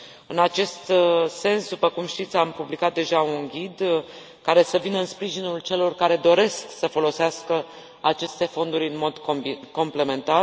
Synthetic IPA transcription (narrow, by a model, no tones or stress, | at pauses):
ɨnat͡ʃe̞st̪se̞nsd̪upəkumʃt̪it̪sʲampublikat̪̚d̪e̞ʒaunɡʲid̪ | kaɾe̞səvinəɨnspɾiʒinult͡ʃe̞lo̞rkaɾe̞d̪o̞ɾe̞sksəfo̞lo̞seaskə | at͡ʃe̞st̪e̞fo̞nd̪uɾʲɨnmo̞d̪oko̞mple̞me̞nt̪ar